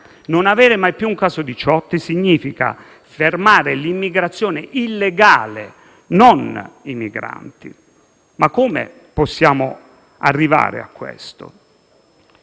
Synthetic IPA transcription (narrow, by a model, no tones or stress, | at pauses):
nonavɛːɾɪmajpjuuŋkaːzod̪it͡ʃɔt̪ːisiɲːiːfika̰ | fermaːɾɪlimːiɡɾat̪sːjoːneʔilːeɡaːle | nonimiɡɾa̰nt̪ḭ | makːoːmḛ | pɔsːjaːmo | a̰rːiva̰ːɾḛa̰kːwḛst̪o̰